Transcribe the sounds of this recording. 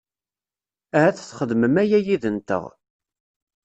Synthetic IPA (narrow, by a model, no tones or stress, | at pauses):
æɦæθθχəðməmæjæjiðənt̪ə̰ʁ